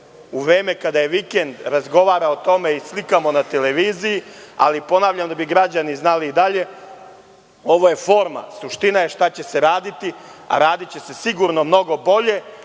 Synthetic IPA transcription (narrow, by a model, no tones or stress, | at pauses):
uʋɾeːme̞kad̪aje̞ʋike̞nd̪ɾazɡo̞ʋaːɾaot̪o̞me̞islikamo̞nat̪eleʋiːzijia̰lipo̞naːʋʎamd̪abiɡɾad͡ʑaniznaliːd̪aʎe̞ | o̞ʋo̞je̞fo̞ːɾma̰suʃt̪inaje̞ʃt̪at͡ɕe̞se̞ɾaːd̪it̪ia̰ɾaːd̪it͡ɕe̞se̞siɡuɾno̞mno̞ɡo̞bo̞ʎe̞